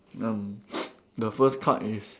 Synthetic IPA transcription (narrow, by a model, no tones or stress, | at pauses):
ãm | dəfəskʰa̰ʔis